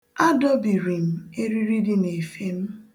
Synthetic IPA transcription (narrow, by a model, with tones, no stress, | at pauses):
a˦dɔ˦bi˨ɾi˨m̩˨e˦ɾi˦ɾi˦di˦ne˨fe˨m̩˦